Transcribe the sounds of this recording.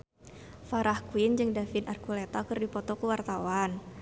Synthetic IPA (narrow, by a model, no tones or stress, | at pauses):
faɾahkuind͡ʒɨŋdafinarkulet̪akɨrdipɔt̪ɔkəwart̪awan